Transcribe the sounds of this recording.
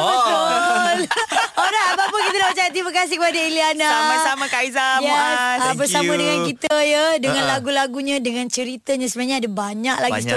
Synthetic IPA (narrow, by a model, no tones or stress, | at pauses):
bət̪ʊloɾaabapəkit̪anaət͡ʃajat̪imãkas̬ihkəpadailianaasamakaizajɛabərsamãdəŋankit̪əjadəŋãnlaɡulaɡuɲãdəŋãnt͡ʃəɾit̪aɲãsəbənaɲaadabaɲaklaɡist̪